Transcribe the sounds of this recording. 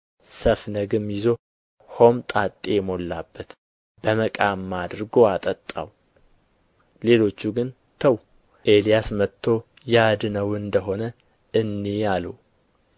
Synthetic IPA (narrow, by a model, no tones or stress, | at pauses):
səfnəɡɨmjɪzo̞ | ho̞mt̪ʼat̪ʼːeɛmo̞lːabːət̪ | b̥əməkʼamːad̪ɨɾɡo̞at̪ʼət̪ʼːa̰w | le̞lo̞t͡ʃːuɡɨn | t̪ʰəw | ʔe̞lijasmət̪ʰːo̞ | jad̪nəwɨnd̪əɦo̞nə | ɨnːealuw